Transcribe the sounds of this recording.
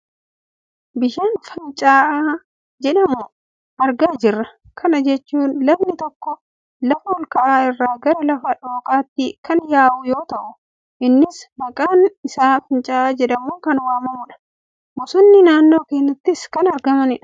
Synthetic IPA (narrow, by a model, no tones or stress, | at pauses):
bɪʃaːnfɐnt͡ʃʼaːʔaː | d͡ʒɛᶑɐmʊ | ʔɐɾɡaːd͡ʒɪrːɐ | kʰɐnɐd͡ʒɛt͡ʃːuːnlɐbnɪt̪ɔkːɔ | lɐfɐɔlkɐʔaːɪrːaːɡɐɾɐlɐfɐᶑoːkʼaːt̪ːɪkɐnjaːʔʊjoːt̪ɐʔʊ | ʔɪnːɪsmɐkʼaːnɪsaːfɐnt͡ʃʼaːʔaːd͡ʒɛᶑɐmuːkɐnwaːmɐmʊᶑɐ̥ | mʊsʊnːɪnaːnːo̞ːkeːnːɐt̪ːɪskɐnɐɾɡɐmɐnɪᶑ